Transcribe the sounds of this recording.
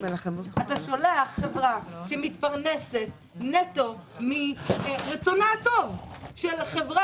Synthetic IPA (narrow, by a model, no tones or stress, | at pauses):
eeat̪aʃoleaχːevʁaʃemit̪paʁnese̞t̪ | net̪o̞miʁet͡sonatovʃelχevʁa